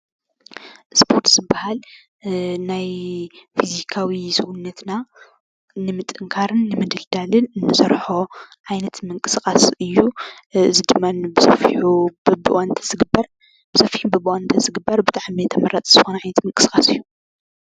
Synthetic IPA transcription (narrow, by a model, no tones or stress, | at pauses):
ʔspʰo̞ɾt̪z̥ɨbːahal | najfizikʰawisɨɡunːɐt̪na | nɨmɨt̪ʼːɨŋkʰaɾɨnːɨmɨd̪ɨld̪alɨnnːɨsɐɾħo̞ʕajnɐt̪mɨŋkʼɨsɨkʼasɨjːuɨzɨd̪ɨmːanbɨsɐfiħuɨbɨ̰ʔant̪ʰɐ̥zɨɡɨbɐɾ | b̥ɨsɐfiħubɨbɨʔant̪ʰɐzɨɡɨbːɐɾbɨt̪ʼaʕmit̪ʰɐmɐɾat͡s̪ʼz̥ɨxonɐʕajnɐt̪mɐŋkʼɨsɨkʼasɨjːu